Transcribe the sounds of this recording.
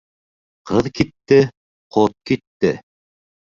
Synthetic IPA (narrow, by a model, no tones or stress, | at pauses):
qʰɤðkit̪ːɘ | qʰot̪̚kit̪ːɘ